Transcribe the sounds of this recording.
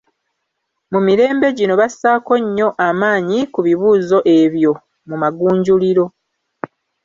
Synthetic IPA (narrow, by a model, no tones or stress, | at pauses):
mumiɾe̞ːmbe̞ɟino̞βasaːko̞ɲːo̞ʔamaːɲikuβiβuːzo̞ʔe̞βjo̞ | mumaɡuːɲɟuliɾo̞